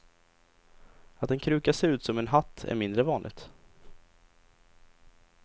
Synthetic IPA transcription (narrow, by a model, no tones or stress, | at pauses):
at̪ɛnkʰɾʉ̟ːkaseːɾʉ̟ːt̪sɔmɛnɦat̪ʰːæ̰ɾmɪnd̪ɾəvɑːnlʔɪ̰ɡ̚t̪